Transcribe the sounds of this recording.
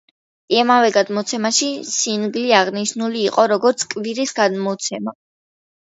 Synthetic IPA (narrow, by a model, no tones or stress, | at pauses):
imavɛɡad̪mɔt̪sʰɛmaʃisinɡliaʁniʃnuliːqʼɔɾɔɡɔɾt̪sʰkʼviɾisɡad̪mɔt̪sʰɛma